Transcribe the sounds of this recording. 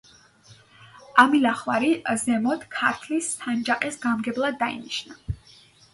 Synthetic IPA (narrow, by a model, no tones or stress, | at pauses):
amilaχwaɾizɛmɔt̪ʰkʰaɾt̪ʰlisːand͡ʒaqʼɛsɡamɡɛblˠad̪ːaḭniʃna